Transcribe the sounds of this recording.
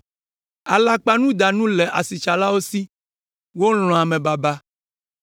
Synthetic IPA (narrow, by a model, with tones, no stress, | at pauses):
a˨la˨k͡pa˦nũ˦d̪a˨nũ˦lɛ˨ʔa˨si˨t͡ʃa˨la˦wo˦si˦ | wo˦l̃ɔ̃˨a˨mẽ˨ba˨ba˦